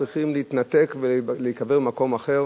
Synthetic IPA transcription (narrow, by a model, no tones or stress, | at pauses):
ʁiχimleit̪nat̪ekveleikaveʁmako̞maχe̞ʁ